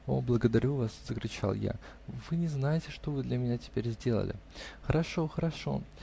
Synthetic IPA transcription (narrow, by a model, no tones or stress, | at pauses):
o̰blˠəɡəd̪ɐɾʲuvasz̥əkɾʲʊt͡ɕa̰lˠja̰ | vɨnʲɪznajɪtʲɪʂt̪o̞vɨd̪lʲɐmʲɪnʲatʲɪ̥pʲeɾʲzʲdʲe̞lˠə̰lʲɪ̰xəɾɐʂo̞xəɾɐʂo̞̰